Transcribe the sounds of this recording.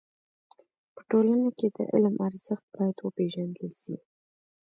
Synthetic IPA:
pə̥ʈolanaked̪ə̰ʔɪ̰lmaɾz̥əxt̪̚b̥ɑjad̪wəpeʒand̪əlsi

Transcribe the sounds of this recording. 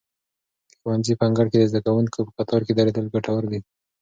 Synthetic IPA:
xuwanzipaŋɡaɽked̪əzd̪akawuŋkopə̥kat̪ʰoɾked̪aɾed̪əlɡaʈʰawəɾd̪i

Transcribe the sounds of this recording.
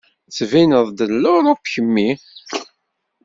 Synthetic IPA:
t͡sːvinəðˤd̪əlʊɾˤopːçəmːi

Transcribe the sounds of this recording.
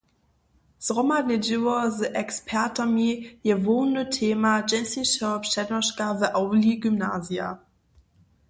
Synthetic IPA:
z̥ʁɔmaled͡ʒuɔzəʔɛkspʰɛɐtamiːʔiːɐvoːndətʰeːmad͡ʒɛnsiʃɔpʃɛdnɔʃɡ̥aːvəʔaʊliɡymna̰ːzia̰

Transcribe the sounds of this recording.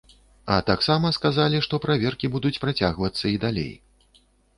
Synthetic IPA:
ɐ̰t̪aksamɐskazalʲiʂt̪ɔpɾavʲɛrkʲibud̪ut͡sʲpɾat͡sʲaɣvɐt̪sːɐid̪alʲḛj

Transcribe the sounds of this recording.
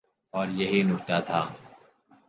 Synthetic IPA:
ɔːɾjɐɦinʊkt̪at̪ʰa̰ː

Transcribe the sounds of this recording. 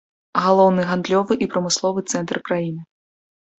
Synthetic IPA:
ɣalˠɔwnɨɣand̪lʲɔvɨʔipɾɐmɨslˠɔvɨt̪sɛnt̪rkɾajinɨ

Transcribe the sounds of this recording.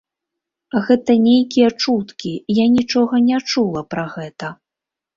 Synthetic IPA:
aɣɛt̪ɐnʲejkʲijɐt͡ʂut̪kʲijanʲit͡ʂɔɣɐnʲat͡ʂulˠɐpɾɐɣɛt̪ɐ

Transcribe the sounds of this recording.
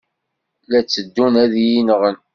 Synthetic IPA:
læt͡sːəd̪ːunæðjinʁən

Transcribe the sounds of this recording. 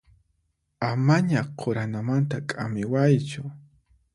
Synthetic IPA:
amaɲaqʰoɾanamant̪akʼamɪwajt͡ʃʊ

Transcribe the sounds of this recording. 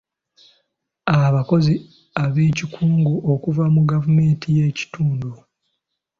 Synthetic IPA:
aβako̞zi | aβe̞ːcikʰuːŋɡuʔokuvamuɡavume̞ːntijeːci̥tuːndu

